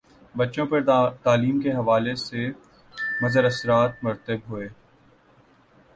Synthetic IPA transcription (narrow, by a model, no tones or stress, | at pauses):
bɐtːʃõpɐɾt̪aːliːmkeɦɐʋaːlese | mɐzəɾɐsɾaːt̪̚mʊɾt̪əbɦoeː